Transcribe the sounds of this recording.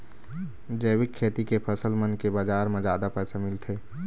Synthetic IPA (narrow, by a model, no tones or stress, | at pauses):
d͡ʒəwɪkʰːeːt̪ikepʰəsəlmənkebaːd͡ʒaːɾmẽd͡ʒaːd̪apɛːsamɪlt̪ʰeː